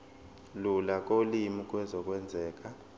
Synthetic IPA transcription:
lulak̬ʼolimik̬ʼwɛzɔk̬ʼwɛnd͡zʱɛːk̬a

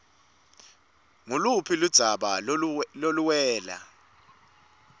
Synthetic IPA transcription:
ŋulupʰilud̥z̥ʱaɓaloluwɛːla̰

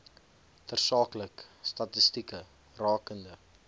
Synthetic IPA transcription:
fərsɑːkləkstɐtəstikə | rɑːkəndə

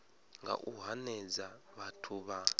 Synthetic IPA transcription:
ŋɡa̰ʔuɦanɛd͡za | βatʰuβa

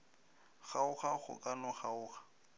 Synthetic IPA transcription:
χaʊχaχʊ̰kʼanʊχaʊːχḁ

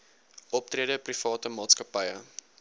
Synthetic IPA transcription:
ʔɔp̚triədəprifɑːtəmɑːtskɐpɐjə

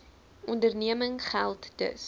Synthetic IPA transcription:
ʔɔndərniəməŋχælˠtdə̰s

